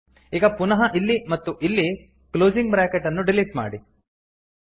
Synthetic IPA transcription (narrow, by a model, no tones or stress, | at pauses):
iːɡɐpunɐɦɐʔilːimɐt̪ːuʔilːi | kloːziŋɡ̚bɾaːkeʈɐnːuɖiliʈma̰ːɽi